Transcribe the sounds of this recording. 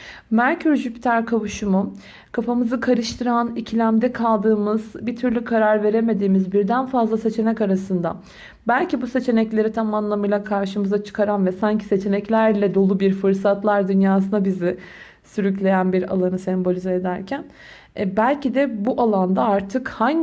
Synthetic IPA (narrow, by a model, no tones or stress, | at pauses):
mæɾcʰyɾʒypt̪ʰæɾkʰaβuʃumu | kʰafamɯzɯkʰaɾɯʃt̪ʰɯɾanicʰilʲæmd̪ɛkʰalˠd̪ɯːmɯz̥bit̪ʰyɾlʲykʰaɾaɾve̞ɾe̞me̞d̪iːmizbiɾd̪ænfazlˠase̞t͡ʃʰe̞nɛcaɾasɯnd̪a̰ | bælʲcibuse̞t͡ʃʰe̞nɛclʲe̞ɾit̪ʰamanlˠamɯjlˠakʰaɾʃɯmɯzat͡ʃʰɯ̥kʰaɾanvɛsaɲcʰi̥se̞t͡ʃʰe̞nɛclʲæɾlʲɛd̪o̞lˠubiɾfɯɾsat̪lˠaɾd̪ynjaːs̬ɯnabizɪ | syɾyclʲe̞jænbiɾa̰lˠanɯsɛmbo̞lʲizeed̪æɾcʰæn | bælʲcid̪ɛbuʔalˠand̪aaɾt̪ʰɯkhaɲ